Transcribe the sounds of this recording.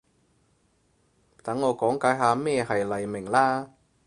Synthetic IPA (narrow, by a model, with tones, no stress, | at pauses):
t̪ɐ˨˥ŋːɔː˨˧kɔː˨˥ŋkaː˨˥jɦaː˧mɛː˥˧hɐ˨jlɐ˨jmɪ˨˩ŋlaː˥